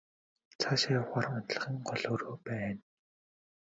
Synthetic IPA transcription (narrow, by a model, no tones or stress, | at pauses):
t͡sʰaʃajʊχaːrʊnt̪ɮə̆χiːŋɢɔɮoːroːpæːn